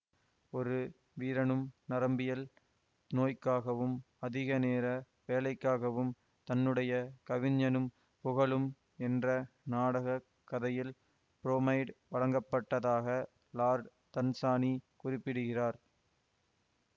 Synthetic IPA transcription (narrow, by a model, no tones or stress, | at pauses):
ɔɾɯ | ʋiːɾɐɳɯmnɐɾɐmbɪjɐl | noːjkːaːɣɐʋɯm | ɐðɪɣɐneːɾɐ | ʋeːlɐɪkːaːɣɐʋɯm | t̪ɐnːɯɽɐjɐkɐʋɪɲːɐnɯm | pʊɣɐɭɯm | ɛndrɐnaːɽɐɣɐ | kːɐðɐjɪl | pɪɾoːmɐɪɖʋɐɻɐŋɡɐpːɐʈːɐðaːɣɐ | laːɾ | t̪ɐnsaːnikʊrɪpːɪɽɯɣɪraːɾ